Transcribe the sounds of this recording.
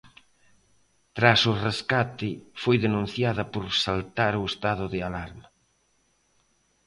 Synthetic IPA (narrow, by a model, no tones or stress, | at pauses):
t̪ɾasʊreskat̪ɪfojðenũn̟θjaðɐpoɾsalt̪aɾʊest̪aðʊðɪalaɾma